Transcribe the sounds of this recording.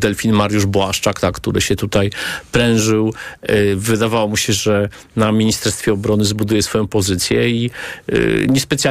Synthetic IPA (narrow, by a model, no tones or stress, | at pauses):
d̪ɛlfʲinmaɾjuʐbwaʂt͡ʂakt̪akt̪uɾɘ̰ɕɛt̪ut̪ajpɾɛ̃w̃ʐɘw | vɘd̪avawɔmuɕɛʐɛ | namʲiɲist̪ɛɾst̪fʲjɛɔbɾɔnɘzbud̪ujɛsfɔjɔ̃pɔzɘt̪sʲjɛḭ | ɲɛspɛt̪sʲja